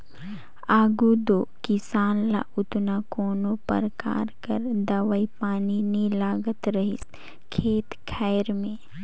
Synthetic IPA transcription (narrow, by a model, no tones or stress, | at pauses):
aːɡud̪oːkɪsaːnla̰ʔʊt̪nakoːnopə̰ɾka̰ːɾkəɾd̪ɐʋəipaːninilaːɡət̪ɾɐɦɪs | kʰeːt̪kʰɛːɪɾmẽː